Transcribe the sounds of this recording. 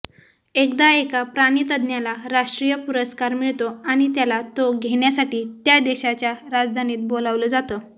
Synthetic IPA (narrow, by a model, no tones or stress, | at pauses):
ekd̪aekapɾaɽ̃it̪əd̪njalaɾaʂʈɾijəpuɾəskaɾmiɭt̪oaɽ̃it̪jalat̪oɡʱeɳjasaʈiːt̪jad̪eɕat͡ɕjaɾad͡zd̪ʱaniːt̪̚bolaʋləd͡zat̪ə